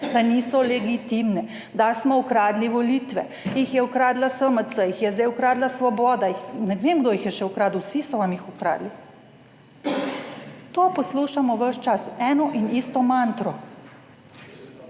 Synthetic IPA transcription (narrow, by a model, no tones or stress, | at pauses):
d̪aniːsɔlɛɡit̪imnɛ | d̪asmɔukɾaːd̪liʋɔliːt̪ʋɛ | jixjɛukɾaːd̪lasəmət̪səjixjɛzd̪ɛjukɾaːd̪lasʋɔbɔːd̪ajixnɛʋeːmɡd̪ojixjɛʃɛukɾaːd̪uwsisɔʋamjixukɾa̰ːd̪li | t̪oːpɔsluːʃamɔʋəʃt͡ʃasɛːnɔʔinist̪ɔmant̪ɾɔ